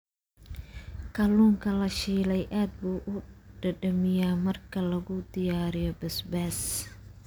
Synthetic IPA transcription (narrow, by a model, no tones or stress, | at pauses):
kʰɐluːŋkʰɐlɐʃiːlɛjʔaːd̪̚buːʔʊɖɐɖɐmɪjaːmɐrkʰɐlɐɣʊd̪ɪjaːɾɪjɔbɛsbaːs